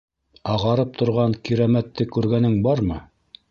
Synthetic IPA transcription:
ɑʁɑɾɤp̚t̪ʰŏɾʁɑŋkiɾæmæt̪ːɘkʉɾɡænɘŋbɑɾmɤ

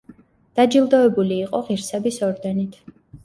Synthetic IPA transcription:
d̪̥ad͡ʒilˠd̪ɔɛbuliːqʼɔʁiɾsɛbisɔɾd̪ɛnit̪ʰ

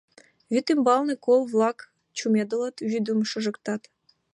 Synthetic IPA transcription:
vʲyt̪imbɑlˠnɨ̆kolˠvlˠɑk | t͡ɕumʲed̪ɤ̆lˠə̆t̪βʲyd̪umʃɤ̆ʒɤ̆kt̪ɑt̪

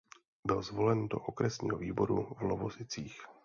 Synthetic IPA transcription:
bɪlzvo̞lɛndo̞̰ʔokɾɛsɲḭːɦoviːbo̞ɾṵvlovozɪt͡siːx

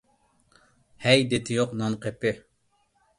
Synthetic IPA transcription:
hɛjd̪et̪ʰɪjoqnɑnqʰepɪ

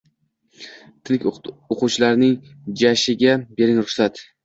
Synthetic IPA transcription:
t̪ʰɪnɪkʲoquwt͡ʃʰɪlaɾnɪŋ | d͡ʒaʃɪɡʲabe̞ɾɪŋɾʊχsat̪

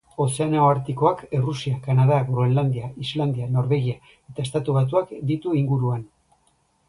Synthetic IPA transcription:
o̞se̞anaoaɾt̪iko̞akerusiakanað̞aɣɾoeland̪iaʔizland̪iano̞ɾβe̞ɣ̞ia | e̞t̪ae̞st̪at̪uβat̪̬uakd̪it̪uiŋɡuɾuan

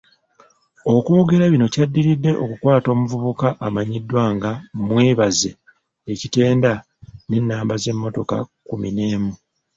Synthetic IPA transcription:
o̞kuːɡe̞ɾaβino̞cadːiɾidːe̞ʔo̞̰kukwaːto̞ːmuvuβukaʔamaɲidːwaːŋɡamwe̞ːβaze | ecite̞ːnda | ne̞nːaːmbaze̞mːo̞to̞ka̰kumine̞ːmu

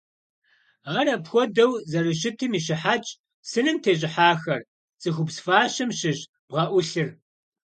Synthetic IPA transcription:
aːrɐpxʷɔdɐwzɐrɨɕ̬ɪtʰɨmiːɕ̬ɪħaːt͡ʃʼ | sɨnɨmtʰeːʑ̬ʼɪħaːxɐr | t͡sʼɨxʷʊpsfaːɕɨmɕɪʑ | b̥ʁɐʔʷʊɬɨr

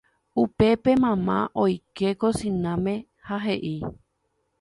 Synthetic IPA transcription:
upe̞pe̞mãmã̰ʔojkekosĩnãmẽ̞ | haɦe̞ʔi

